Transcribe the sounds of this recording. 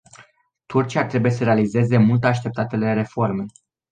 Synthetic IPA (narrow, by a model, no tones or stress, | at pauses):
t̪urt͡ʃiat̪ɾe̞buje̞səɾe̞alize̞ze̞mult̪eaʃt̪e̞p̚t̪at̪e̞le̞ɾe̞fo̞rme